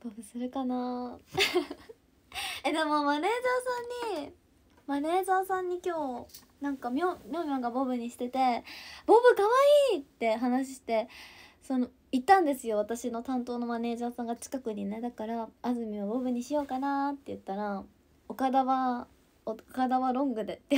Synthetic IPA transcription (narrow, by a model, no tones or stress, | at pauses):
b̥obɯ̟sɨɾɯkana | ed̪e̞mo̞mane̞ːzaːsãɲ̟ːi | mane̞ːzaːsãɲ̟ːikʲo̞ː | nãŋkamʲomʲomʲoŋɡabo̞bɯ̟ɲ̟iɕi̥t̪e̞t̪e̞b̥o̞bɯ̟kaβaiːt̪ːe̞ɦanaɕ̬i̥ɕi̥t̪e̞so̞no | it̪ːãnd̪e̞sɨjo̞βat̪aɕino̞t̪ãnt̪o̞ːno̞mane̞ːʑaːsãŋɡat͡ɕi̥kakɯ̟ɲ̟ined̪akaɾaːzɨmʲiobo̞bɯ̟ɲ̟iɕijo̞ːkanat̪ːe̞jɯ̟t̪ːaɾa | okad̪aβa | okad̪aβaɾõ̞ŋɡɯ̟d̪e̞t̪ːe